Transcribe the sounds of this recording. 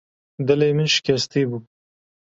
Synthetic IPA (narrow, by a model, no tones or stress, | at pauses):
d̪ɐlejmɪnʃɪ̥kʲɐst̪ibu